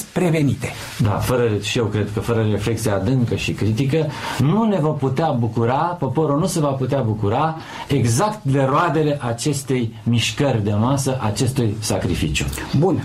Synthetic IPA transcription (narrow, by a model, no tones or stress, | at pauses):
pɾe̞ve̞nit̪e̥ | d̪a̰fəɾəʃije̞wkɾe̞d̪kəfəɾəɾe̞fle̞k̚t̪sijaːd̪ɨŋkəʃikɾit̪ik̬ənune̞vo̞rput̪eabukuɾapo̞po̞ɾunuse̞vaput̪eabukuɾa | e̞ɡzakt̪d̪e̞ɾoad̪e̞le̞ʔat͡ʃe̞st̪e̞jmiʃkərʲd̪e̞masəʔat͡ʃe̞st̪ujsakɾifit͡ʃjṵbun